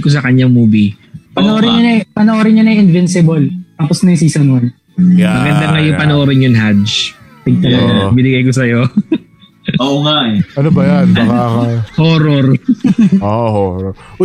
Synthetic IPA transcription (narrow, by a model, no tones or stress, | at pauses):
kos̬ɐkɐɲːaŋmuːbipɐnoʔoɾɪɲɐnɐpɐnoʔoɾɪɲɐnɐɪnvɪnsɪbolt̪aːposnɐjs̬iːsɐnwɐn | mɐɡɐnd̪ɐŋɐjʊŋpɐnoʔoɾɪɲjʊŋɦad͡ʒd͡ʒt̪ɪɡ̚t̪ɐlɐɡbɪnɪɡɐjkosɐjo | oŋaɐnobɐjankaŋahoːɾoɾ | ohoɾ